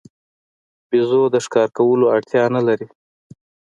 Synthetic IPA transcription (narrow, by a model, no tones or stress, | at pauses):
bizod̪əʂkɑɾkawəloaɽt̪jɑnalaɾi